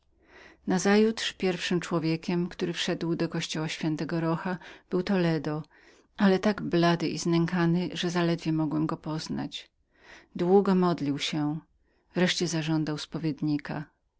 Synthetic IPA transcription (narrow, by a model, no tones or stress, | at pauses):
nazajut̪ʂpʲjɛɾfʂɘmt͡ʂwɔvʲjekʲɛmkt̪uɾɘfʂɛd̪wd̪ɔkɔɕt͡ɕɔwaɕfʲjɛnt̪ɛɡɔɾɔxab̥ɘwt̪ɔlɛd̪ɔ | ʔalɛt̪aɡblad̪ɘʔiznɛŋkanɘʐɛzalɛd̪vʲjɛmɔɡwɛmɡɔpɔzna̰t͡ɕ | d̪wuɡɔmɔd̪lʲiwɕɛ | vɾɛʂt͡ɕɛzaʐɔnd̪awspɔvʲjed̪ɲikʰa